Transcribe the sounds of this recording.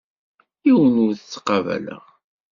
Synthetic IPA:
iwənʊɾθət͡sːqːɑvæ̰lə̰ʁ

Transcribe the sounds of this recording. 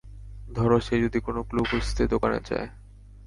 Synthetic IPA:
d̪ʱɔɾoʃed͡ʑod̪ikonoklubust̪ʰed̪okanḛd͡ʑa̰e

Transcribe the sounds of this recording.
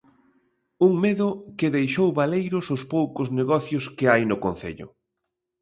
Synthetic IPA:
uŋmeðʊkɪðejʃowβalejɾʊsʊspowkʊzneɣɔθjʊskɪajnʊkon̟θḛʎʊ̰

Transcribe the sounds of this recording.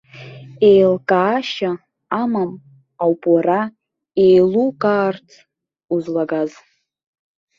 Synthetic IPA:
ejlkʼaːʃa | amam | awpʼwara | ejlukʼaːrtʰ | uzlaɡaz

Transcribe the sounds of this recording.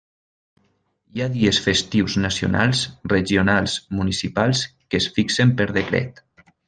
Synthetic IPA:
jaðiesfest̪iwznasio̰na̰lˠsreʒionalˠsmunisipalˠskesfiksempəɾðekɾɛ̰t̪

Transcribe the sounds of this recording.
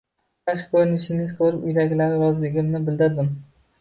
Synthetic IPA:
aʃkʰɵɾɪnɪʃɪŋɪzkʰɵɾɪpʊ̰jlaɡʲlaɾɪɾɒzlɪɡʲɪmnɪbɪld̪ɪɾd̪ɪm

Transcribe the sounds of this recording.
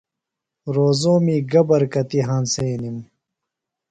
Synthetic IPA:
ɾoːzoːmiːɡɐbɐɾkɐt̪iɦãːnseːnim

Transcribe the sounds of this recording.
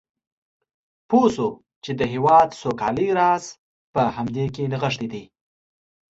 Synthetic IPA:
poso | t͡ʃed̪əɦewɑd̪sokɑ̰liɾɑz | pəhamd̪ekenaɣəʂt̪id̪i

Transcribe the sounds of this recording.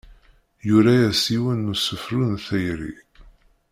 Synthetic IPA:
juɾæjæsiwænːusəfɾunθæjɾḭ

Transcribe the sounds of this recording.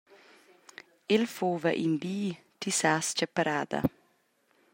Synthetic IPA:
ɪlfoːʋəʔɪnbyː | t̪ʰisaːst͡ʃəpəɾaːd̪ə̰

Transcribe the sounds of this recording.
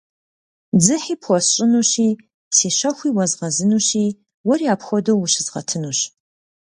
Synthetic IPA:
d͡zɨħiːpʰxʷɔsɕʼɪnuɕiː | seːɕɐxʷiːwɐzʁɐzɨnuːɕiː | wɔriaːpxʷɔdɐwwʊɕɪzʁɐ̰tʰɨnuːɕ

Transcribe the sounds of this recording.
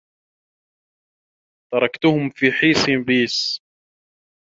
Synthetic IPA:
t̪ɑɾˤɑkt̪ʊhʊmfiːħiːsˤimbiːs

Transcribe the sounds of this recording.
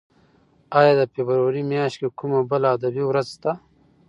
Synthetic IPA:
aːjaːd̪apebɾwaɾimjaːʃtkekumabɐlaːd̪ɐbiwɾɐzt̪a

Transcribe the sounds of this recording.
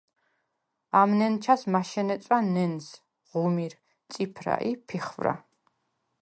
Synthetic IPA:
amnɛnt͡ʃʰasmaʃɛnɛt̪sʼwanɛns | ʁumiɾ | t̪sʼipʰɾa̰ʔipʰiχvɾa̰

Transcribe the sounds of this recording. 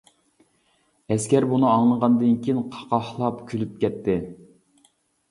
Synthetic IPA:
ɛskʲɛɾbunɨɑŋlˠəʁɑnd̪ɨnkʲijinqʰɑ̥qɑhlˠɑpkʲʰylyp̚kʲʰɛt̪ʰːɪ

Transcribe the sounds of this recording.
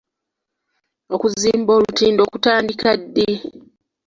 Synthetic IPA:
o̞kuziːmbo̞ːlutiːndo̞ːkutaːndikadːi

